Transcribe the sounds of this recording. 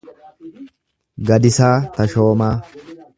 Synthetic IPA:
ɡɐd̪ɪsaːt̪ɐʃo̞ːmaː

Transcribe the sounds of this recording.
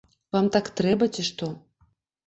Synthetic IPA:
vamt̪akt̪ɾɛbɐt͡sʲiʂt̪ɔ

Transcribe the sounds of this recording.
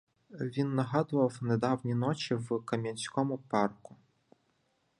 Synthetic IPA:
ʋʲinːɐɦɑd̪ʊʋɐwned̪ɑwnʲinɔt͡ʃiwkɐmʲɐnʲsʲkɔmʊpɑrkʊ

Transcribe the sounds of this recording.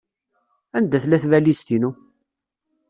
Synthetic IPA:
ænd̪æθlæθvælist̪inu

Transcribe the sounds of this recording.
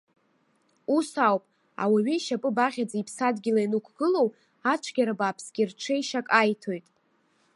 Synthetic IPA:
usawpʼ | a̰waɥijʃapʼɨbaʁʲad͡zaipʰsadɡʲilainukʷʰɡ̥ɨlo̞w | at͡ʃʷʰɡʲaɾabaːpʰsɡʲirʈ͡ʂʷʰejʃakʼajtʰo̞jtʼ

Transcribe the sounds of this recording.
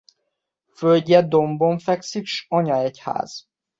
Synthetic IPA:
følɟɛd̪o̞mboɱfɛksikʃɒɲɒɛcha̰ːz̥

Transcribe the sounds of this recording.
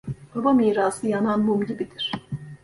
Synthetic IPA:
b̥abamiːɾaːsɯjananbumɟibid̪iɾ̝̥

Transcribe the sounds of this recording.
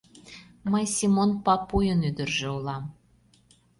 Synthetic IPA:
məjsʲimonpɑpːujənyd̪ə̆rʒĕulɑm

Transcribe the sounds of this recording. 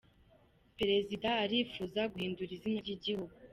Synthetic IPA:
peɾe̞zidaːɾifuːzaɡuhiːnduɾizinaɾɟiɟihuɡu

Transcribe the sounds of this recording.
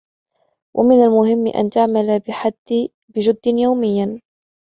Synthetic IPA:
wʔa̰mɪnalmʊɦɪm̰ːʔa̰nt̪aʕmalbɪħad̪ː | bɪd͡ʒʊd̪ːɪnjawmɪjːan

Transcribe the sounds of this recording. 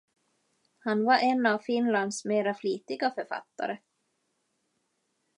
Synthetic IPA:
hanvaɾʔɛnavfɪnland̪smeːɾafliːt̪ɪɡafœɾfa̰t̪ːa̰ɾə

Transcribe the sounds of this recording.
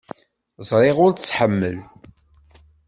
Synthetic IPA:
zˤɾˤeʁʊɾt͡st͡sːħəmːəl

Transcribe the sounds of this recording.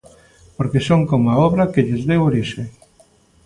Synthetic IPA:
poɾkesoŋkomaɔβɾakeʎezðewoɾiʃe

